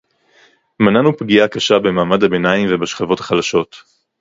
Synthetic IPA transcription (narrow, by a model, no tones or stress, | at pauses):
mananupɡiakaʃabe̞maːmadhabe̞naimvebaʃχavo̞thḁχalaʃo̞t